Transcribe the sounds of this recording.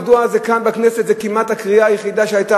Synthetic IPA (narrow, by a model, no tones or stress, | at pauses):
duazekanbakneset̪zekimat̪hakʁiaːjeχid̪aʃeajta